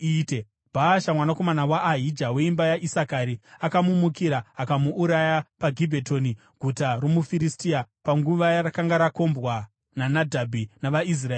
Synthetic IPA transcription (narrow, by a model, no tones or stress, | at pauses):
ite | bʱaʃamwanako̞manawaʔːɦid͡ʒawe̞imbajaʔisakaɾiakamumukiɾaakamuʔːɾajapaɡʱibʱe̞to̞ni | ɡ̥ʱutaro̞mufiɾistiapaŋɡuʋajaɾakaŋɡaɾako̞mbwa | nanadʱabʱinaʋais̬raeː